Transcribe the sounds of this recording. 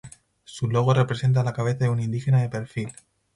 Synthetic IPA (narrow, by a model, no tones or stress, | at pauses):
sulo̞ɣ̞ore̞pɾe̞se̞nt̪̬alakaβ̞e̞θaðeunĩnd̪ixe̞naðe̞pe̞ɾfil